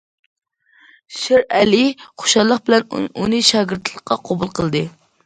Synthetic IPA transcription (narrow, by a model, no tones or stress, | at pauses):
ʃɪɾɛliχʰo̥ʃɑllˠəχbɪlɛnunɨʃɑːɡʲɪɾt̪lˠəqːɑqʰɑbulˠqʰəlˠd̪ɨ